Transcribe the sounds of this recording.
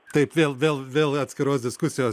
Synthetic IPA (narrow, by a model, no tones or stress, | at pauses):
t̪ɐɪpʋʲeːlˠʋʲeːlˠʋʲeːlˠɐt̪ʲsʲkʲɪɾoːsd̪ʲɪskʊsʲɪjoː